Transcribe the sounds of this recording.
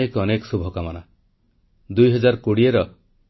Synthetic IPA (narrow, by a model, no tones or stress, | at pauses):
ekɔnekɔ̥subʱɔkamana | d̪ujɦɔd͡ʒaɾkoɽieɾɔ